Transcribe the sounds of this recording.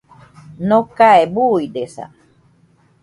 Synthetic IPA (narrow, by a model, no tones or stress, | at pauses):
nokaebuidesa̰